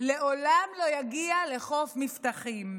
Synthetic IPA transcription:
le̞ʔolamlojaɡiale̞χo̞fmift̪aχim

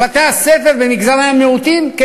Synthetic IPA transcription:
at̪easefeʁbemikzamaemːeut̪imke

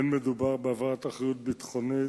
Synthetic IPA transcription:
nmed̪ubaʁbeavaʁat̪aχejut̪̚bit̪χoni

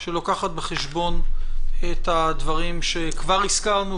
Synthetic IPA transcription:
ʃelokaχat̪̚beχeʃbo̞nethadvaʁimʃe̞kvaʁiskaʁnu

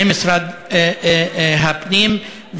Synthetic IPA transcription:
mɪsɾad̪ | ɦabnim | v

